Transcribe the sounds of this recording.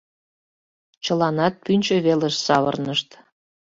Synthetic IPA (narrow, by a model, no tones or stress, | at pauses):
t͡ɕəlɑnɑt̪̚pynʲt͡ɕəβeleʃsɑβə̰rnəʃt̪